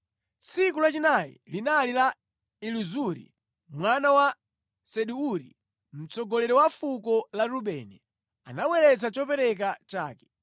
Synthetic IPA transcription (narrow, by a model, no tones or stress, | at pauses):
t͡sik̬ulat͡ʃinajḭlinalila | iluzuɾḭ | mwanawa | sɛɗuuɾḭ | m̩t͡sɔɡɔlɛɾɔwafukɔlaɾuɓɛnɛ | anawɛlɛt͡sat͡ʃɔpɛɾɛk̬at͡ʃa̰ːkɛ̥